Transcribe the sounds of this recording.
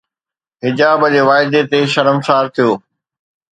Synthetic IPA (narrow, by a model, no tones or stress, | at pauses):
ɦɪd͡ʑaːbəd͡ʑeːʋaːɪd̪et̪eʃɐɾəmsaːɾt̪ʰijoː